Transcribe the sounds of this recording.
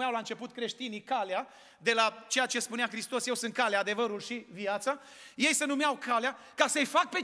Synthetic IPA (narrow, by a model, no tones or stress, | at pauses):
awlaɨnt͡ʃe̞put̪̚kɾe̞ʃt̪inikalea | d̪e̞lat͡ʃe̞jat͡ʃe̞spuneaxɾist̪o̞sje̞wsɨnt̪̚kaleaːd̪e̞vəɾulʃiviat̪sa | je̞jsenumeawkʰalea | kasəjfak̚pe̞